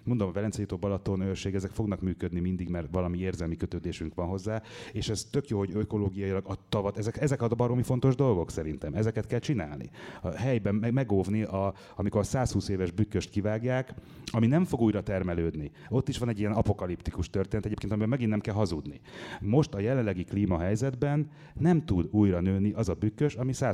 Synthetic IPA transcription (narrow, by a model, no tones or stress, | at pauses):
mo̞nd̪omɒvɛlɛnsɛjut̪oːbɒlɒt̪onøʃeːɡɛzɛkfo̞ɡnɒkmyːkød̪nimind̪iɡmɛrt̪ʋɒlɒmieːrzɛlmikøt̪øːd̪eːʃyŋkʋɒnɦo̞zːaːeːʃɛz̥t̪ø̞kjoːho̞ɟøko̞loːɡijɒjilɒɡɒt̪ɒvɒt̪ɛzɛkɛzɛkɒd̪bɒɾomifo̞n̪t̪o̞ʒd̪o̞lɡo̞ksɛɾint̪ɛmɛzɛkɛt̪kɛlt͡ʃina̰ːlnḭɒɦɛjbɛmmɛɡoːvniʔɒ | ɒmiko̞rsaːshuːseːvɛʒbykːøʃt̪kivaːɡjaːk | ɒminɛɱfo̞ɡuːjɾɒt̪ɛrmɛløːd̪ni | o̞t̪ːiʃʋɒnɛɟːijɛnɒpo̞kɒlipt̪ikuʃt̪ørt̪eːnɛt̪ɛɟeːpkeːnt̪mibɛmɛɡinːɛmkɛlɦɒzud̪nḭmo̞ʃt̪ɒjɛlɛlːɛɡikliːmɒɦɛjzɛd̪bɛnː | ɛmt̪ud̪uːjrɒnøːniʔɒzɒbykːøʃɒmisaː